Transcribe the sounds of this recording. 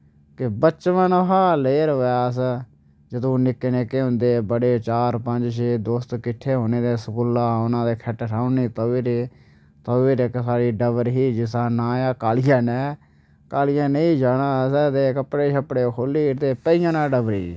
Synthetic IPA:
kɪbət͡ʃʋənɦaːleːɾɦoːjaːs | d͡ʒəd̪õːnɪkːeːneːkeːɦʊ̃nd̪eːbəɽeːt͡ʃaːɾpəɲd͡ʒʃeːd̪oːst̪kɪʈʰːeːɦoːneːd̪eːsəkʊlːaːʊnãːd̪eːkʰɛʈʈʰaːʊniːt̪oʋiːɾeː | t̪əːiːɾeksaːɾiːɖəbəɾɦiːd͡ʒɪsaːnãːjaːkaːlijãːnɛː | kaːlɪjãːneĩːd͡ʒaːnaːsɛd̪eːkəpɽeːʃəpɽeːkʰoːliːɾt̪eːpəijãːnãːɖəbɾḭː

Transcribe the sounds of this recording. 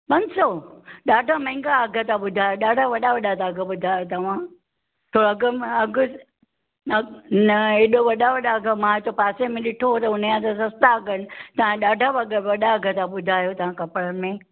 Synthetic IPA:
pɐ̃ɲsɔɗaːɖʱamɐ̃ɦɪ̃ŋɡaɐɡʱət̪ãɓʊd̪ʱaːjoɗaːɖʱaʋɐɗaʋɐɗat̪aːɡəɓʊd̪ʱaːjot̪ɐʋ̤ã | t̪ʰoːɾɐɡəɐɡʊ | nɐeɗoʋɐɗaʋɐɗaɡəmãtopaːsemẽɗɪʈʰoot̪ɐʊnəjãt̪ɐsɐst̪aɡənɪt̪ɐʋ̤ãɗaːɖʱaʋɐɡʋɐɗaɐɡʱət̪ãɓʊd̪ʱaːjot̪ɐʋ̤ãkɐpɾənmẽ

